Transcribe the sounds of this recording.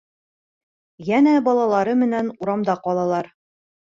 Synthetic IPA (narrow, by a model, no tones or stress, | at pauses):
jænæbɒlˠɑlˠɑɾɤmɘ̆nænuɾɑmd̪ɑqɒlˠɑlˠɑɾ